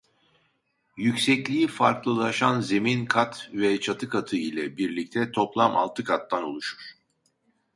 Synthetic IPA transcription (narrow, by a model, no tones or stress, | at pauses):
jycsɛclʲiifaɾklˠɯlˠaʃanze̞minkʰat̪vɛt͡ʃʰat̪ʰɯkʰat̪ʰɯilʲɛbiɾlʲic̚t̪ʰɛt̪ʰo̞plˠama̰lˠt̪ʰɯkʰat̪ːanolˠuʃu̥ɾ̥